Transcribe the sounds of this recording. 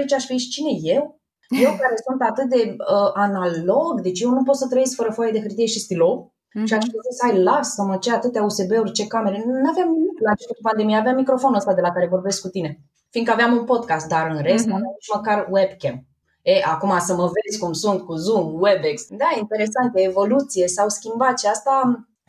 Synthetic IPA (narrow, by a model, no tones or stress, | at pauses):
it͡ʃaʃfiʃt͡ʃine̞je̞w | je̞wkaɾe̞sunt̪at̪ɨt̪̚d̪e̞əʔanalo̞ɡd̪e̞t͡ʃjewnup̬ot̪sət̪ɾəjeskfəɾəfojed̪e̞ɦɨrt̪ije̞ʃist̪ilo̞ | ʃiaʃpozisajlavsəmət͡ʃeat̪ɨt̪jause̞beurʲt͡ʃe̞kame̞ɾenuaveamnimiklat͡ʃest̪ek̪upand̪e̞mijeaveamːikɾo̞fo̞nuəst̪ad̪e̞lakaɾe̞vo̞rbe̞skːut̪ine̞ | finkəaveamunpo̞d̪̚kast̪̚d̪aɾɨnɾe̞st̪navamit͡ʃməkarwebkʲem | eʔakumasəməve̞zʲkumsunt̪kuzumwebeksd̪aeint̪e̞ɾe̞sant̪əevo̞lut̪sije̞sawskʲimbat̪ʃiast̪a